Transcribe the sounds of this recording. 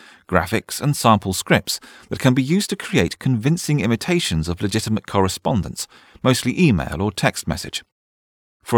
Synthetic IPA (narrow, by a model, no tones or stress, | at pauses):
ɡ̥ɹæ̰fɪksə̃nsɑ̃mpʰəl̩ˠskɹɪp̚tsðɨt̚kʰɨ̃nbijʉz̥tʰɨkʰɹ̥ieɪtkʰə̃ɱvɪ̃nsɪ̃ŋɪ̃mɨtʰeɪʃɨ̃nzʌvlɨd͡ʒɪɾəmət̚kʰɒɹɨspɑ̃ndə̃nts | məʊstˡliʔiːmḛɪlˠə˞tʰɛkst̚mɛ̰sɨ̰d̥ʒ̥ | fə